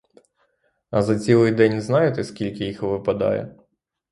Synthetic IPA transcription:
ɐzɐt͡sʲilˠɪjd̪ɛnʲznɑjɪt̪ɛskʲilʲkʲɪjixʋɪpɐd̪ɑ̰jɛ̰

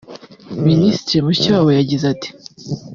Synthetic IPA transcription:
ministɾimucaːwojaɟizati̥

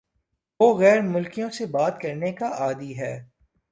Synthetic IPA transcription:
ʋoːɣɛːɾmʊlkijõsebaːt̪kɐɾnekaʔaːd̪iɦɛː

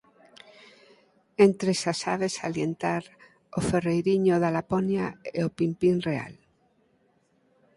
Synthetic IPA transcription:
ent̪ɾesasaβesaljent̪aɾ | oferejɾiɲoðalaponjaeopimpinrea̰l

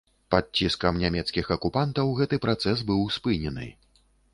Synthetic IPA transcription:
pat͡sʲiskɐmnʲamʲɛt̪skʲixɐkupant̪ɐwɣɛt̪ɨpɾat̪sɛs̬bɨwspɨnʲɛnɨ̰

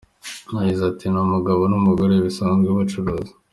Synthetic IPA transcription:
naɟizatinamuɡaβonumuɡoɾeβisaːnɡeβat͡ʃuɾoːzi̥

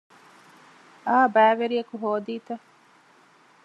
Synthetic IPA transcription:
aːbæːʋeɾiɐkuɦoːd̪iːt̪ɐ

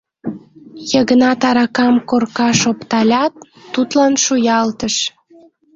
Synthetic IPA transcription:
jəɣənɑt̪ɑɾɑkɑmkorkɑʃopt̪ɑlʲɑt̪ː | ut̪lɑnʃujɑlt̪əʃ

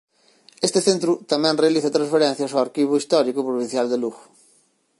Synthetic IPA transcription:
est̪eθent̪ɾut̪amɛ̃nrealiθɐt̪ɾãnsfeɾɛ̃n̟θjɐsoaɾkiβ̞uist̪ɔɾikupɾuβĩn̟θjald̪eluɣu

